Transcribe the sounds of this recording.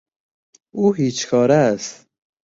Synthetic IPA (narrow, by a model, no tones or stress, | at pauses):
uːɦiːt͡ʃkʰɑːɾæst̪